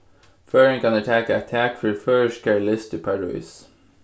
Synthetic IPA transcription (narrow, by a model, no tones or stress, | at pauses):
fɜːɹə̃nkɑnətʰækəət̪ʰækfɹəfɜːskʰɛːɹlɪst̪ʰɪpʰæɹʉ̰ːs